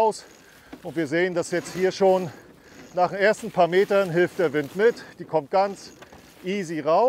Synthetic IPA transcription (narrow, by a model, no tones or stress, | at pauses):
ʊs | ʔʊntv̥iːɐzeːəndasjɛt͡sthiːɐʃoːn | naːχemʔeːɐstn̩pʰaːɐmeːtɐnɦɪlftd̥eːɐvɪntmɪtd̥iːkʰɔmt̚ɡ̥ant͡s | ʔiːziʁaʊ